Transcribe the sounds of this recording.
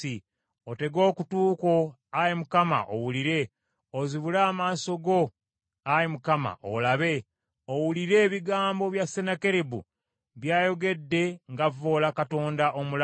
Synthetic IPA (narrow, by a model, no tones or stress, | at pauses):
i | ote̞ɡo̞ːkutuːko̞ | ajemukama̰ʔo̰wuliɾe̞ | oziβulaːmaːso̞ɡo̞ | ajemukama̰ʔo̰laβe̞ | owuliɾe̞ːβiɡaːmbo̞βjasːenake̞ɾebṵ | βjaːjo̞ɡe̞dːe̞ŋɡavo̞ːlakato̞ːndaʔo̞mul